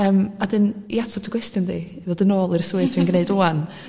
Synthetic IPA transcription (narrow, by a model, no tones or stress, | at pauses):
əːmadɨniatʰɔb̚d̥əɡwɛstjʊndi | ðɔdənoːlˠirsuɨθvinɡneɨdoːan